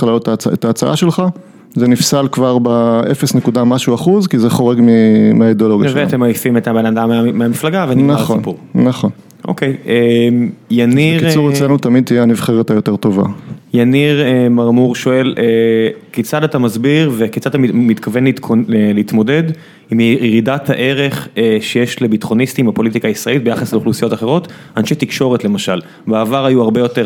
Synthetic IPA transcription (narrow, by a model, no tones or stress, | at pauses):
χlajotat͡set̪aːt͡sa̰ʔaʃelχa | zenifsalkvaʁbaʔefesnekudamaʃuaχuzkizeχo̞ʁeɡmimeaid̪eoloɡjaʃvveat̪emojfimet̪abenad̪ameameamiflaɡaveninaonpuʁːaχo̞n | ʔo̰kejemjanikit͡suʁet͡slenut̪amid̪̚t̪ijeanivχeʁjotejot̪eʁt̪o̞va̰janiʁemaʁmuʁʃo̞e̞lʔeket͡sad̪at̪amazbiʁveket͡sadat̪amit̪kʰave̞nleoeleit̪mo̞de̞d̪ | imiʁidathaʔe̞ʁe̞χeʃejeʃlebit̪χo̞nist̪imapo̞lit̪ikaːisʁelit̪̚bejaχasleuχlusijo̞t̪aχe̞ʁo̞t | anʃet̪ikʃo̞ʁet̪le̞maʃal | baːvaʁajuaʁbe̞jo̞te